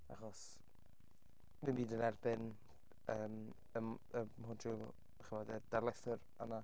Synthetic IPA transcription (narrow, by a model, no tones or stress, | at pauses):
a̰χɔs | mimiːdənɛrbɪn | əːm | əm | əmhʊndrʊ | χəvɔdəd̥arlɛθʊɾ | ana